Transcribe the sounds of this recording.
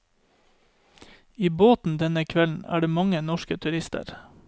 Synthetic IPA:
iːboːt̪n̩d̪ɛnəkʰʋɛln̩æ̰ːɖeːmɑŋənɔʃkət̪ʰʉɾɪst̪ə̰ɾ

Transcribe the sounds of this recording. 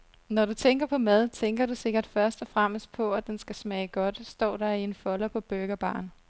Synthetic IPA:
nɒɾut͡sʰeŋɡ̥ɐpʰɒ̽mæð̞ˠt͡sʰeŋɡ̥ɐɾuse̝ɡ̥ɐd̥fɶɐsd̥ɒfʁam̰əsd̥̚pʰɒ̽æd̥ensɡ̥æsmɛːɪɡ̥ɒ̽d̥sd̥ɒ̰ːd̥ɑie̝nfɒ̽lɐpʰɒ̽b̥øɡ̥ɐb̥ɑ̰̈ːn

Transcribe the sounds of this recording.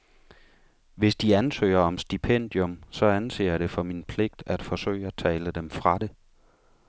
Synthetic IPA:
ʋe̝sd̥iænsø̰ɪ̰ɐɒ̽msd̥ipʰen̰d̥jɔ̽msɒ̽ænse̝̰ːɐɾ̥e̝fɒ̽minpʰle̝ɡ̥d̥æd̥fɒ̽sø̰ːɪəæt͡sʰɛ̰ːləd̥emfʁɑ̈ɾ̥e̝

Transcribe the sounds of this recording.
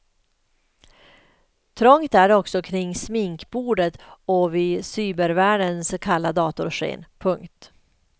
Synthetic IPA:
t̪ʰɾɔŋt̪æɾɔksɔkʰɾɪŋːsmɪŋkbuːɖət̪ɔvɪsyːbəɾvæːɖənskʰalːad̪ɑːt̪ʊɾʂḛːnpʰɵŋkt̪

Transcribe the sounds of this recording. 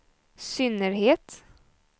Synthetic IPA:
sʏnːəɾheːt̪

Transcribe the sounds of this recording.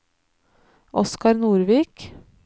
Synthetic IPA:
ʔɔskɑɾnuːɾʋiːk

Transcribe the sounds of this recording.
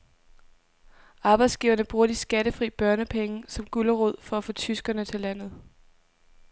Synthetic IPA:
ɑ̈ːb̥ɑ̈ɪd̥sɡ̥iːʊɐnəb̥ʁuːɐd̥isɡ̥æɾ̥əfʁḭːb̥ɶɐnəpʰeŋəsɒ̽mɡ̥ulɐʁɔð̰ˠfɒ̽æfɔ̽ːt͡sʰysɡ̥ɐnət͡sʰe̝læn̰ð̩ˠ

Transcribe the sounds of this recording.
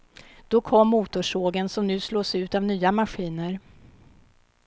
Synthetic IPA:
d̪̥ɔkʰɔmːuːt̪ʊʂoːɡənsɔmnʉ̟ːsloːsʉ̟ːt̪avnyːamaɧiːnəɾ

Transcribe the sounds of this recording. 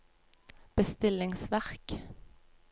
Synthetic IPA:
b̥əst̪ɪlɪŋsʋæʁk

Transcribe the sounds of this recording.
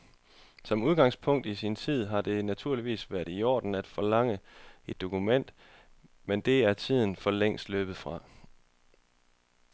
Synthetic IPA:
sɒ̽muðˠɡ̥ɑ̈ŋspʰɔ̽ŋ̰d̥isint͡sʰið̰ˠɦɑ̈d̥e̝næt͡sʰuɐ̰liʋḭːsʋæɐɾ̥iɒ̰ːd̥n̩æd̥fɒ̽lɑ̈ŋ̰əe̝d̥ːo̝kʰumen̰d̥ | mend̥e̝æɐt͡sʰið̰ˠn̩fɒ̽leŋ̰sd̥løːb̥ð̩ˠfʁɑ̈

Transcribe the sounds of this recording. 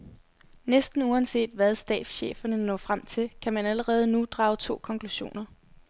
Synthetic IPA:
nesd̥n̩uænse̝̰ːd̥ʋæð̞ˠsd̥ɛ̰ːd̥sɕḛːfɐnənɒ̰̽ːfʁam̰t͡sʰe̝lkʰæmænæləʁɛːð̞̩ˠnud̥ʁɑ̈ːʊt͡sʰo̝̰ːkʰɒ̽ŋkʰluɕo̝̰ːnɐ

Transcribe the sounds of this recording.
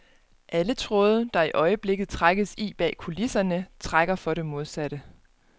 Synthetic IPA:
ʔælət͡sʰʁɔːð̞ˠd̥ɑ̈iʔɒ̽ɪəb̥le̝ɡ̥ð̩ˠt͡sʰʁaɡ̥əsib̥ɛ̰ːkʰulisɐnət͡sʰʁaɡ̥ɐfɒ̽ɾe̝mo̝ð̞ˠsæɾ̥ə

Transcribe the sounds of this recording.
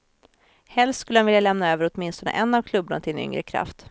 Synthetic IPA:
hɛlst̪skɵlːəhanvɪljalɛmnaøːvəɾɔt̪mɪnst̪ɔnə̰ʔɛnːavkʰlɵbːant̪ʰɪnʏ̰ŋɾəkʰɾa̰ft̪

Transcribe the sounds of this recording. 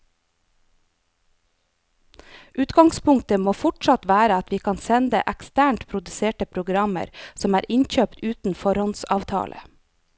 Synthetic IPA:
ʔʉːt̪ɡɑŋspʰʊŋkt̪əmoːfʊʈʃɑt̪ʋæːɾəɑt̪ʋiːkʰɑːnsɛnd̪ə̰ʔækst̪æːɳʈpʰɾʊd̪ʉseːʈəpʰɾʊɡɾɑmə̰ɾsɔmæːɾʔɪnçøːpt̪ʉːt̪n̩fɔɾhɔnsɑ̰ːʋt̪ʰɑ̰ːlʔə̰

